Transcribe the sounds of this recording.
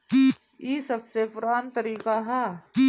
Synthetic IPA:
iːsɐbsepʰʊɾaːnt̪əɾiːkaɦɛ

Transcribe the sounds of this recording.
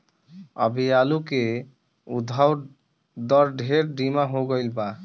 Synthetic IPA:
ə̰bijaluke | ud̪ʱaw | d̪əɾɖʱeɾɖimaɦoɡəɪlba

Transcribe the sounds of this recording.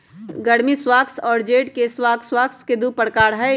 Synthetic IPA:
ɡəɽmiswaːksɔːɾd͡ʒeːʈkeswaːkswaːksked̪upəɽkaːɾɦɛ

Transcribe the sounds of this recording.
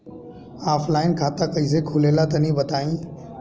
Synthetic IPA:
aːfʰlaːɪnkʰaːt̪akɐis̬ekʰʊleːlat̪ɐnĩːbɐt̪aːĩː

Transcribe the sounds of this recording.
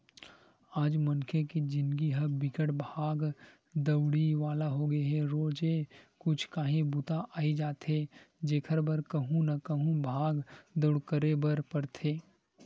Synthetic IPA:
aːd͡ʒmɐnkʰekid͡ʒɪ̃nɡiɦɐbɪkəʈbʱaːɡ | d̪ɐwɽiʋaːlaɦoɡɐeɦɛɾoːd͡ʒekʊt͡ʃʰkaːɦẽbʊt̪aʔaːid͡ʒaːt̪ɦe | d͡ʒeːkʰəɾbɐɾkɐɦũnɐkɐɦũbʱaːɡd̪ɐɽkəɾebɐɾpɐɾt̪ʰeː

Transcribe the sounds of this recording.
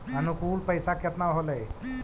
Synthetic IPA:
ənukulpəɪsakət̪naɦoləj

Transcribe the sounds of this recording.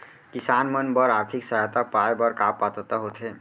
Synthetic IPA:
kisanmənbəɾaɾt̪ʰiksəɦat̪apajbəɾkapːat̪ət̪aɦot̪ʰɦe

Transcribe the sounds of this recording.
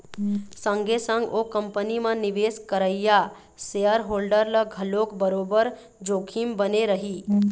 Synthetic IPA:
sə̃ŋɡʱesəŋɡokəmpənimə̃niʋeːskəɾəja | seəɾɦoːlɖəɾləɡʱəlokbəɾoːbəɾ | d͡ʒoːkʰimbəneɾəɦi

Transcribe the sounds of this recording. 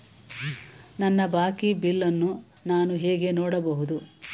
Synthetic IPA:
nɐnːɐbaːkibilːɐnːu | naːnuɦeːɡe̞noːɽɐbɐɦud̪u

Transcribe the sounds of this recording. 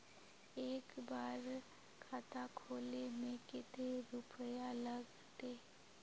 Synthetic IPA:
eːkbaːɾ | kʰaːt̪akʰoːlemẽkɪt̪eɾʊpjaləɡ | t̪eː

